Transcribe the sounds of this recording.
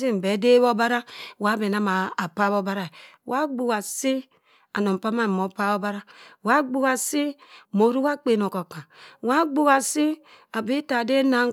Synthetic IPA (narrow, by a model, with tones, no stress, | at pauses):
i˦m̩˨be˨˦de˦βo˦ba˦ɾa˦wa˦be˨na˦maː˨pa˦βo˦ba˦ɾa˨ | wʔa˦ɡ͡bu˨wa˨si˦ | a˨no˨m˨pa˦ma˦˨mo˨pa˦βo˦ba˦ɾa˦wa˦ɡ͡bu˦a˨si˦mo˨˦ɾu˦wa˦k͡pe˨no˨ko˨ka˨wa˦ɡ͡bu˦wa˨si˦ | a˨bi˦ta˨de˦na˦